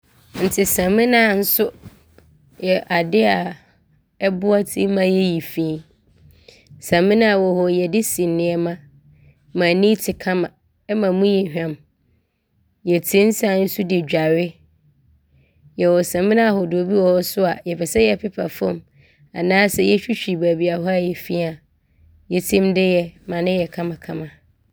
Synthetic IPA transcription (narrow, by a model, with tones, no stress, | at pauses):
n̩˨tʰɪ˨sã˨mɪ̃˦nã˦˨n̩˦sʊ˦ | jɛ˨ʔa˨dɪ˦a˨ | ɛ˦bʊ˦a˦tʰĩ˦mã˦jɛ˦ji˨fĩ˦ | sã˨mɪ̃˦nã˦a˨wɔ˨hɔ˨jɛ˨dɪ˦sĩ˨nɪ̃˦ɛ˦mã˦ | mã˨nĩ˦tʰɪ˨kʰã˦mã˨ | ɛ˦mã˨mũ˦ji˨hᶣã˨m | jɛ˨tʰĩ˦n̩˦sã˦˨˦n̩˦su˦dɪ˨d͡ʑᶣa˨ɾɪ˦ | jɛ˨wɔ˨sã˨mɪ̃˦ñ˦a˨hɔ˨dʊ˨o˨bi˦wɔ˦ɔ˦sʊ˦a˨jɛ˨fɛ˨sɛ˦jɛ˦˨pʰɪ˦pʰa˨fɔ̃˦˨m | a̰˨nãː˦sɛ˦jɛ˦ɕᶣi˦ɕᶣi˨bæ˨bi˨a˨ɦɔ˦a˦jɛ˨fi˦a˨ | jɛ˨tʰɪ̃˦mdɪ˦jɛ˨mã˨nɪ̃˦jɛ˨kʰã˦mã˨kʰã˦mã˨